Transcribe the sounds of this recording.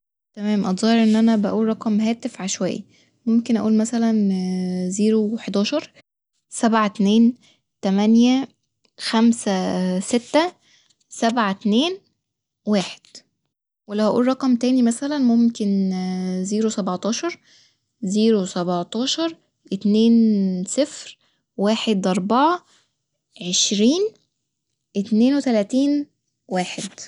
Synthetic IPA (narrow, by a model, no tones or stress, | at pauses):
t̪æmæːmʔɑt̪zˤɑːheɾˤʔenːʔænæbæʔuːlːˤɑqɑmhæːt̪efʕaʃwæ̰jːæ̰ | momkenʔæ̰ʔuːlmæsælæn | ziːɾoweħd̪ɑːʃɑɾˤ | sæbʕat̪neːn | t̪æmænjæ | xæmsæset̪ːæ | sæbʕat̪neːn | waːħe̥d̪̥ | welæhæʔṵːlrˤɑqɑmt̪æːnimæsælænmomken | ziːɾusæbɑʕt̪ˤɑːʃɑɾˤ | ziːɾusæbʕt̪ˤɑːʃɑɾˤ | ʔet̪neːnsefɾ | waːħed̪ʔɑɾˤbɑʕɑ | ʕeʃɾiːn | ʔet̪neːnwet̪ælæːt̪iːn | waːħed̪